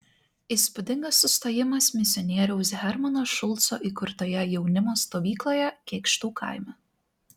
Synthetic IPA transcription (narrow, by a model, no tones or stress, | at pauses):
iːˑspʊd̪ʲɪŋɡɐsːʊst̪oːjɪmɐsmʲɪsʲɪɔnʲiɛɾʲɛʊs̬ɦʲɛɾmɐnoːʃʊlˠˑt̪so̰ːʔikʊɾt̪oːjɛjɛʊnʲɪmoːst̪oːʋʲiːklˠoːjɛkʲeːkʃt̪uːkʰɑ̰ˑɪmʲɛ